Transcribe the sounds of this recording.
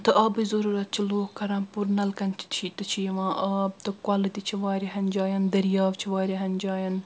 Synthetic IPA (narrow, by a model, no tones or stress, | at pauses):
t̪ɨʔɐːbɨzɐɾuːɾɐt̪̚t͡ʃʰiloːkkɐɾɐ̃ːpuɾnɐlkɐnt͡ʃʰi̥t̪t͡ʃʰit̪ɐt͡ʃʰijʋãːʔɐb̚t̪ɨkwaːlɨt̪it͡ʃʰiʋaːɾiɦɐnʲd͡ʒaːjɐnd̪ɐɾjaːʋt͡ʃʰiʋaːɾʲiɦɐnʲd͡ʒaːjɐn